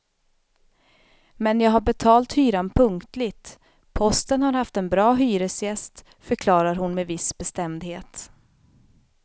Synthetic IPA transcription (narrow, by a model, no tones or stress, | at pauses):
mɛnjɑːɡɦaɾbɛt̪ʰɑːlt̪hyːɾanpʰɵŋkt̪lɪɡt̪ | pʰɔst̪ənhaɾhaft̪ɛnbɾɑːɦyːɾəsjɛst̪ | fœɾkʰlɑːɾaɾhʊnmɛvɪsbɛst̪ɛmd̪heːt̪